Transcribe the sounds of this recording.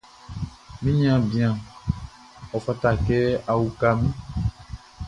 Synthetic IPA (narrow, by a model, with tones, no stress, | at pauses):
mĩ˦ɲ˦ã˦bĩ˨ã˨ | ɔ˨fa˦ta˨kɛ˦a˨wu˨ka˦mĩ˦